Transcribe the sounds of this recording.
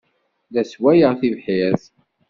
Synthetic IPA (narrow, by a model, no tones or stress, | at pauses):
ðæswæjəʁθivħiθ